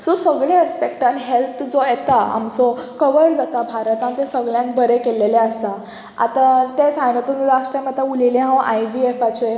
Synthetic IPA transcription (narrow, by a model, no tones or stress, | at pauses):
sosəɡɭeəspek̚ʈanɦelt̪ʰd͡zojet̪aa̰msɔkəʋəɾd͡zat̪abʱaɾət̪ãnt̪ẽsəɡɭjãŋkbʱəɾekeleleəsa | a̰t̪at̪et͡sajnət̪und͡zaʂʈamət̪aulilẽɦãwajbiefat͡ɕe